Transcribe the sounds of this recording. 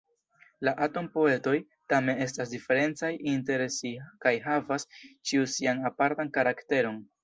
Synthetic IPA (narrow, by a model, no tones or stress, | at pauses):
laʔato̞mpo̞e̞to̞j | tame̞ne̞stasdife̞ɾe̞nt͡sajʔinte̞ɾsikajɦavast͡ʃiusianapaɾtankaɾakte̞ɾo̞n